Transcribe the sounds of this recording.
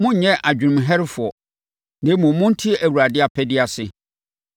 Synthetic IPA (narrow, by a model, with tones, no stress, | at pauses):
mʊ̃˦ɲ˦ɲɛ̃˦ʔa˨d͡ʑᶣɪ˨nʊ̃˨mɦɛ˦ɾɪ˦fʊ˨ɔ˨ | nɪ̃˦mʊ̃˨mʊ̃˦n̩˦tʰi˦æ˨wu˨ɾa˨dɪ˦a˨pʰɛ˦dɪ˦a˨sɪ˨